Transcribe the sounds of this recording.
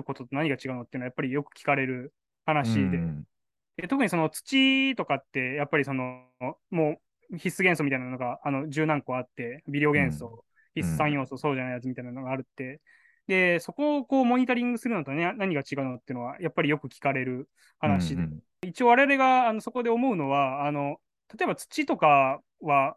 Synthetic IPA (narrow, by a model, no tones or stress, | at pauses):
ɯko̞t̪ot̪ːo̞naɲiɡat͡ɕiɡaɯ̟not̪ːeiɯnajapːaɾʲijo̞kɯ̟̥kʲi̥kaɾe̞ɾɯ̟ | hanaɕid̪e̞ | d̪̥e̞t̪o̞kɯ̟ɲ̟iso̞not͡sɨ̥t͡ɕit̪o̞kat̪ːe̞japːaɾʲiso̞no̞ | mo̞ː | çisɨɡẽ̞ɰ̃somʲit̪ainano̞ɡaːno̞d͡ʑɨːnãŋko̞at̪ːe̞bʲid̪ʲe̞o̞ɡẽ̞ɰ̃so̞ː | çʲisɨsãɰ̃jo̞ːso̞ːso̞ːʑanaijat͡sɨmit̪ainano̞ɡaːɾɯ̟t̪ːe̞ | d̪e̞so̞ko̞ko̞ːmo̞ɲ̟it̪oɾʲĩŋɡɯ̟sɨɾɯ̟not̪one̞naɲ̟iɡat͡ɕiɡaɯ̟not̪ːeiɯ̟no̞ajapːaɾʲijo̞kɯ̟kʲi̥kaɾe̞ɾɯ̟ | hanaɕid̪e | it͡ɕioβaɾe̞aɾe̞ɡaːno̞so̞ko̞d̪e̞omo̞ɯ̟no̞βaːno̞ | t̪at̪o̞e̞bat͡sɨ̥t͡ɕit̪o̞ka | βa